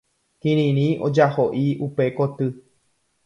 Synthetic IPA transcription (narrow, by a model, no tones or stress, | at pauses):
kĩɾĩɾ̃ĩo̰d͡ʒahoʔiupekot̪ɨ